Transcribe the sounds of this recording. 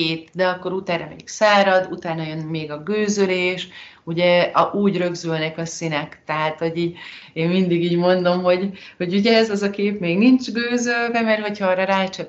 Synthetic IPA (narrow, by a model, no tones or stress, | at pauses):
eːt̪d̪ɛɒkːo̞ɾut̪aːɾɒmɛ̰ḭksaːɾɒd̪ut̪aːnɒjø̞nmeːɡɒɡøːzøleːʃuɟɛʔuːɟrø̞ɡzølnɛkɒsinɛkt̪ɛɦaːt̪ho̞ɟiːɟeːnmind̪iɡiːɟmo̞nd̪o̞mɦo̞ɟho̞ɟuɟɛɛzɒzɒkeːpmeːɡnint͡ʃɡøːzølvɛmɛrho̞chɒɾɒɾaːt͡ʃɛ